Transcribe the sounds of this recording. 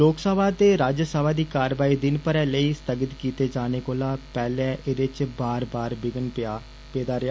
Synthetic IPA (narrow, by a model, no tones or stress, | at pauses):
loːksəʋaːt̪eːɾaːd͡ʒsəʋaːd̪iːkaːɾʋaːiːd̪ɪnpəɾɛːləiːst̪əɡət̪kiːt̪eːd͡ʒaːneːkoːlaːpɛːlɛʔɪd̪ɪt͡ʃbaːɾbaːɾbɪɡən | peːd̪aːɾɪjaː